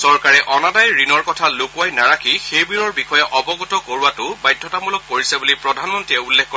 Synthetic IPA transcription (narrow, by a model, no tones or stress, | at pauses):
sɔɹkaɹɛʔɔnadajɹinɔɹkɔtʰalokuajnaɹakixejbiɹɔɹbixɔjɛʔɔbɔɡutɔkoɹuatʊbajdʱːɔtamɔlɔk̚poɹisɛbulipɹɔdʱanmɔntɹiɛulːexko